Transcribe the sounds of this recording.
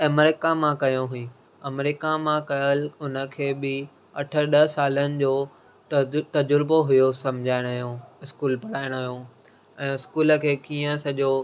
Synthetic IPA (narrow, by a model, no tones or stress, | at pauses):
ɐmɾɪkamãkɐjõɦʊĩ | ɐmɾɪkamãkɐjəlʊnə̆kʰeːbɪ | ɐʈʰə̆ɗɐɦsaːlənɪ̆d͡ʑoː | t̪ɐd͡ʑʊɾboɦʊjosɐ̃md͡ʑʱaːɪɽ̃ɦjõɪskuːlpɐɽaːɪɽ̃ɐɦijõ | ɛ̃ːɪskuːlə̆kʰeːkiːə̃sɐʄo